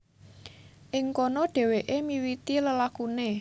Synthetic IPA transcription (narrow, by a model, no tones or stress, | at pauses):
ʔɪŋkɔnɔɖ̥ɛ̤weʔemiwit̪iləlakune